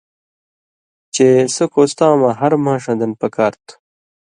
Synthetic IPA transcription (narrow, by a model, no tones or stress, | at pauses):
t͡ɕesɐkoːst̪aːmɐ̃ɦɐɾmãːʂɐ̃d̪ɐnpɐkaːɾt̪u̥